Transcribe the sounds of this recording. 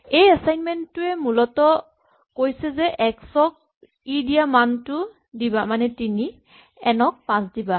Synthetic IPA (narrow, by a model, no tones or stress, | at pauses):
ejasajnmɛntːʊɛmulɔtɔ | kojsɛzɛʔɛksɔk̚ | idiamantʊ | dibamanɛtini | ɛnɔk̚pãsdiba